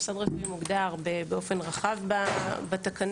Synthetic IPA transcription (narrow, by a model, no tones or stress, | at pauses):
sad̪ʁaʃemuɡd̪aʁbebeo̞fe̞nʁaχavbabat̪akan